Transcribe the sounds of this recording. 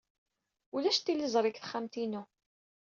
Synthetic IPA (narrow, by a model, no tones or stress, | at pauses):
ulæʃt̪ːilizˤɾˤɪkθχæmt̪inu